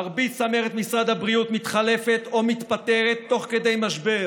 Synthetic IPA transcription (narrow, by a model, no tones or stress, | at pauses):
aʁbitsameʁet̪misʁad̪habʁiut̪mit̪χale̞fet̪o̞mit̪pat̪e̞ʁet̪ːo̞χke̞d̪e̞jmaʃbe